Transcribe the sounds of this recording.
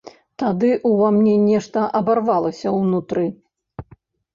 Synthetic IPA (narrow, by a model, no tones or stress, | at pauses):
t̪ad̪ɨʔuvamnʲɛnʲɛʂt̪ɐʔɐbarvalˠɐsʲɐwnut̪ɾɨ